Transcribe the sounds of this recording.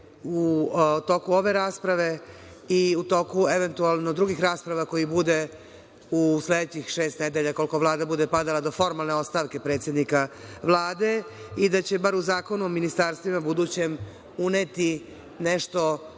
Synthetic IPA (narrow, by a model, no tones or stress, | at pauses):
ut̪o̞kuo̞ʋe̞ɾaːspɾaʋe̞ | iut̪o̞kueʋent̪ualˠno̞d̪ɾuɡixɾaːspɾaʋako̞jibud̪e | usled̪et͡ɕixʃe̞ːst̪ned̪eʎako̞lko̞ʋlˠaːd̪abud̪e̞pad̪alˠad̪o̞fo̞ɾmalˠne̞o̞tst̪aːʋke̞pɾet̪sje̞d̪nikaʋlˠaːd̪e̞id̪at͡ɕe̞baɾuzaːko̞nuominist̪aɾst̪ʋimabud̪ut͡ɕe̞m | unet̪i | neʃt̪o̞